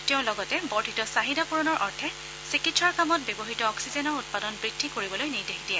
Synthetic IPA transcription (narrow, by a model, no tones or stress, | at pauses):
tɛʊ̃lɔɡɔtɛbɔɹtʰitɔsaɦidapuɹɔnɔɹʔɔɹtʰɛ | sikitsɔɹkamɔt̚bebɔɦitɔːksizɛnɔɹut̚padɔnbɹidʰʱːikoɹibɔlojniɹdexidiɛ